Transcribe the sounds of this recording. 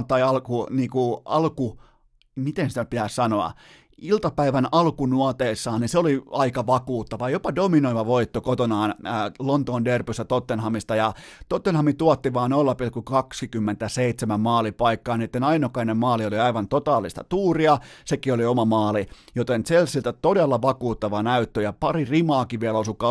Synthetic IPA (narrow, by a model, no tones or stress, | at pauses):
t̪ːɑiɑlkuniːkuɑ̰lku | mit̪ensit̪æpit̪æssɑnoɑ̰ | ilt̪ɑpæiʋænɑlkunuɑt̪eːsːɑːniseoliɑikɑʋɑkuːt̪ːɑʋɑjopɑdominoiʋɑʋoit̪ːokot̪onɑːnːlont̪oːnderpyst̪æt̪ot̪ːenhɑmist̪ɑjɑt̪ot̪ːenhɑmit̪uɑt̪ːiʋɑːnolːɑpilkːukɑksikymːent̪æseit̪semæmmɑːlipɑikːɑːniːet̪ːenɑinokɑinemmɑːlioliɑiʋɑnt̪ot̪ɑːlːˑist̪ɑ̰t̪uːriɑsekioliomɑmɑːlijot̪ent͡selsilt̪æt̪odelːɑʋɑkuːt̪ːɑʋɑnæyt̪ːøjɑpɑririmɑːkiʋiælosukɑ